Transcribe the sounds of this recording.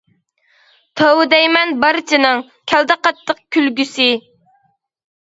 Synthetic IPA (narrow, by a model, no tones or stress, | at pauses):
t̪ʰəwd̪ɛjmɛnbɑɾt͡ʃʰinɨŋ | kʲʰæld̪ɛqɑt̪ːəq̚kʲylɡʲysɪ